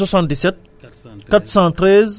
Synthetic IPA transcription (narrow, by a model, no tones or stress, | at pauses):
swasɑ̃nt̪̚d̪isɛt̪̚ | kat̪u̥sɑ̃t̪rɛz